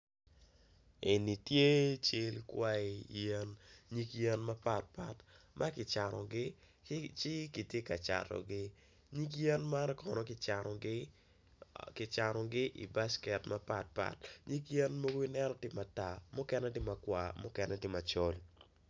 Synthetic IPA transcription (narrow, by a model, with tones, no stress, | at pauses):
e˨ni˨tje˦t͡ʃɪ˦lkwa˦i˨jɛ˦nɲi˦kjɛ˦nma˦pa˦t̚pa˦tmʔa˦kɪ˨t͡ʃa˨nɔ˨ɡɪ˦ | t͡ʃɪ˦ki˨tje˦ka˨t͡ʃa̰˨tɔ̰˨ɡɪ˦ | ɲi˦k̬jɛ˦nma˦n˦kɔ˨nɔ˨kɪ˦t͡ʃa˨ɡɪ | kɪ˨t͡ʃa˨ɾɔ˨ɡɪ˦ʔḭ˨ba˦skɛ˨tma˦pa̰˦t̚pa̰˦˨tɲi˦kjɛ˦nmo˦ɡo˦i˦nɛ˦nɔ˦tɪ˦ma˨ta˨mʊ˦kɛ˦nɛ˦dɪ˦ma˨kwa̰˨mʊ˦kɛ˨nɛ˦dɪ˦ma˨t͡ʃɔ˦l